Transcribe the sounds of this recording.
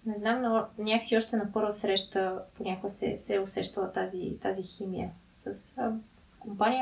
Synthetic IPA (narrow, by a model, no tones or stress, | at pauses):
nɛznamnnʲaksiɔʃt̪ɛnɐpɤɾvəsɾɛʃt̪əponʲakʊɡəsɛ̰sɛʊsɛʃt̪əlˠət̪azit̪aziximijəsəs | kompanʲijə